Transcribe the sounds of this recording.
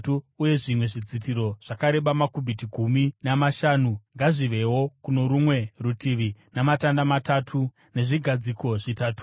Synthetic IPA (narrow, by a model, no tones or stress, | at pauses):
tuːje̞ʐimwe̞ʐid͡zitiɾo̞ʐ̥akaɾe̞ɓamakubʱitiɡʱuminamaʃaːnuŋɡaʐiʋe̞wo̞kuno̞ɾumwe̞rutiʋinamatandamatatʰu | ne̞ʐiɡʱad͡ziko̞ʐitaːtu̥